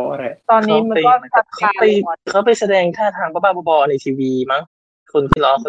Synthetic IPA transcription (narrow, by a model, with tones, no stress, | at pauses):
t̪ɔː˧nːiː˦˥ma˧kɔː˥na˥˩a˨˩kʰa˥pa˧jkʰa˦˥wpa˧jsa˧dɛː˧ŋt̪ʰaː˥˩t̪ʰaː˧ŋpʰa˧˦baː˥˩bɔ˧bɔː˧na˧jt̪ʰiː˧wiː˧ma˦˥ŋ | kʰo˧npʰiː˧˥˩lɔː˦˥k̚